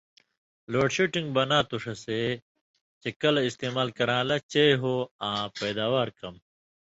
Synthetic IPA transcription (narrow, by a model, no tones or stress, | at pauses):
loːʈɕuʈĩŋɡbɐnãːt̪uʂɐse | t͡ɕekɐlɐist̪eːmaːlkɐɾãːlɐt͡ɕejɦoːãːpeːd̪aːwaːɾkɐm